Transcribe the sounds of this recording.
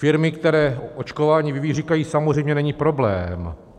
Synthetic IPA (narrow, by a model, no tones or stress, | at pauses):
fɪɾmɪkt̪ɛɾɛːʔo̞t͡ʃkovaːɲivɪviːriːkajiːsamozrɛjmɲɛnɛɲiːpɾo̞blɛ̰ːm